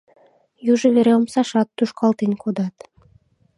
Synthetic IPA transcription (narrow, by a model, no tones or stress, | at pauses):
juʒə̆βeɾeomsɑʃɑt̪ːuʃkɑlt̪enkʰod̪ɑt̪